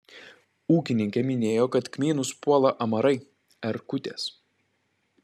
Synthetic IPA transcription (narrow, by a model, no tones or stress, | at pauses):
uːkʲɪnʲɪŋʲkʲɛmʲɪnʲeːjoːkɐt̪kmʲiːnʊspuɔlˠɐʔɐmɐɾɐɪ | ɛɾkʊt̪ʲeːs